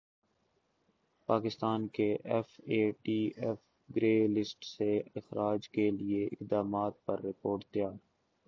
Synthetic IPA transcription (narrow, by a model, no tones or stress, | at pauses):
paːkɪst̪aːnkeʔɛfeːʈiːɛf | ɡɾeːlɪsʈseɪxɾaːd͡ʒkelieɪ̰kd̪aːmaːt̪̚pɐɾːɪpoːɾʈ̚d̪ɪjaː